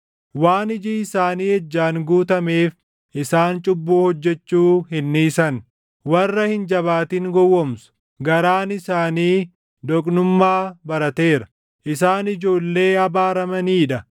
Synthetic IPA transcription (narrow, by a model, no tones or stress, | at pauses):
waːnɪd͡ʒiːɪsaːniːhɛd͡ʒːaːŋɡuːt̪ɐme̞ːf | ʔɪsaːnt͡ʃʼʊbːuːhɔd͡ʒːɛt͡ʃːuːɦɪnːiːsɐn | wɐrːɐhɪnd͡ʒɐβaːt̪iŋɡɔwːɔmsʊ̥ | ɡɐɾaːnɪsaːniː | d̪ɔkʼnʊmːaːbɐɾɐt̪e̞ːɾɐ̥ | ʔɪsaːnɪd͡ʒo̞ːlːe̞ːɐbaːɾɐmɐniːᶑɐ